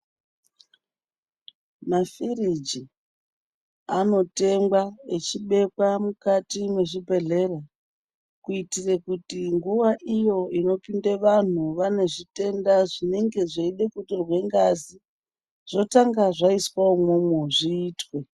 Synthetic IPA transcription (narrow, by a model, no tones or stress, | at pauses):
mafirid͡ʒi | ano̞te̞mɡwaet͡ʃiɓe̞kwamukatimwe̞ʐibʱe̞ɮe̞ra | kuitire̞kutiŋɡuʋaʔijo̞ino̞pindeʋan̤uʋane̞ʐite̞ndaʐine̞ŋɡe̞ʐeiɗe̞kutirwe̞ŋɡazi | ʐ̥o̞taŋɡaʐaiswaomumuʐiːtwe̞